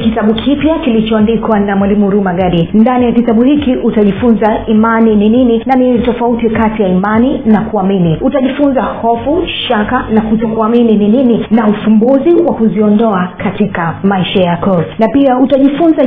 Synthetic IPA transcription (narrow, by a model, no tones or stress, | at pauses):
kitaɓukʰipjakilit͡ʃɔandikwanamwalimuɾumaɡaɗindanijakitaɓuhikiʔutaʄifunzaimanininininanitɔfautikatijaimaninakuaminiutaʄifunzahɔfuʃakanakutɔkuaminininininaufumbuziwakuziɔndɔakʰatikamaiʃajakɔnapiautaʄifunza